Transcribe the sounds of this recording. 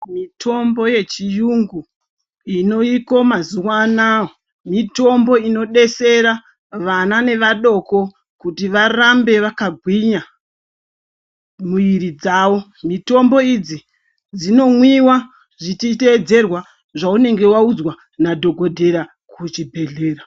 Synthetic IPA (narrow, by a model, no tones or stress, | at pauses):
mitʰo̞mbo̞je̞t͡ʃijuŋɡu | ino̞iko̞mazuwanawo | mito̞mbo̞ino̞ɗe̞se̞ɾa | ʋanane̞ʋaɗo̞ko̞ | kutiʋarambe̞ʋakaɡʱwiɲa | muiɾid͡zawo̞ | mito̞mbo̞id͡zi | d͡zino̞mwiwa | ʐitite̞d͡ze̞rwa | ʐaune̞ŋɡe̞waud͡zwa | nadʱo̞ɡʱo̞dʱe̞ɾa | kʰut͡ʃibʱe̞ɮe̞ːɾa